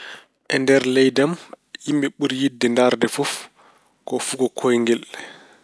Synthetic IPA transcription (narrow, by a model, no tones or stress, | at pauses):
ʔɛndɛɾlɛjdam | jimɓɛɓuɾjidːɛndaɾdɛfuf | kɔfuɡɔkʰojŋɡɛl